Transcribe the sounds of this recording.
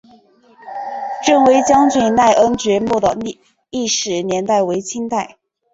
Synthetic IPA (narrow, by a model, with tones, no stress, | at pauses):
ʈ͡ʂɤ˥˩ŋwe˧˥ɪt͡ɕjɑ˥ŋt͡ɕɥɛ˥˩na˥˩ɪʔə˥nt͡ɕɥɛ˧˥mu˥˩d̪ə˩ | i˥˩ʂɻ̩˨˩njɛ˧˥nt̪a˥˩ɪwe˧˥ɪt͡ɕʰi˥nt̪a˥˩ɪ